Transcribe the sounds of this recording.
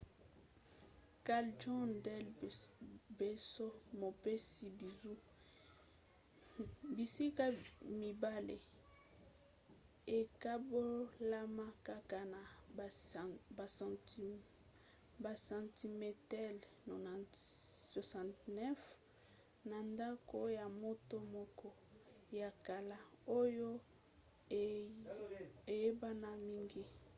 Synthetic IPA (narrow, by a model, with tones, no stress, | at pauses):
ka˨ld͡ʒɔ̃˦ndɛ˦l | be˨so˦mo˨pe˦si˨bi˨zu˦ | bi˨si˦ka˦mi˨ba˦lḛ˨ | e˨ka˦bo˦la˦ma˦ka˦ka˦na˨ | ba˨ | ba˨sã˨nti˨me˨tɛ˦l | no˨n˨swa˨sã˨ntnɛ˦f | na˨nda˦ko˦ja˨mo˦to˦mɔ˦kɔ˦ | ja˨ka˨la˦o˦jo˦ | e˨je˦ba˦na˨mi˦ŋɡi˦